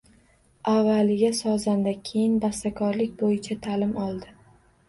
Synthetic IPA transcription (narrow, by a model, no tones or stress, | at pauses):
avːalɪɡʲasɒzand̪akʲʰe̞jɪnbast̪akʰɒɾlɪkʲbojɪt͡ʃʰat̪ʰalɪmɒlˠd̪ɪ